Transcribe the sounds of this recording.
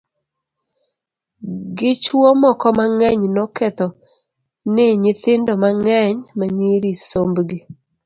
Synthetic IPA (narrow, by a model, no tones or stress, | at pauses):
ɡɪt͡ʃwɔmɔkɔmaŋɛɲnɔkɛt̪ɔ | nɪɲɪt̪ɪndɔmaŋɛɲmaɲiɾisombɡi